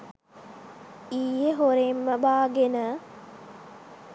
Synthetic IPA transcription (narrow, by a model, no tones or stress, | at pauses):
iːjəɦoɾemːəbaːɡenə